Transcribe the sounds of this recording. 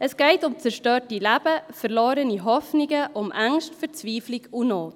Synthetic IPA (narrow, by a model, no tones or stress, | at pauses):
ʔəsɡ̥ɛɪtʊmt͡sɛɾʃtøːɾtilæb̥əfəɾloːɾəniɦɔfnɪɡəʔʊmʔaŋʃtfɛɾt͡sviːflɪɡunoːt